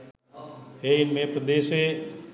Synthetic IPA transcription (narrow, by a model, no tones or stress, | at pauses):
eːɪnmẽpɾəd̪eːsʋe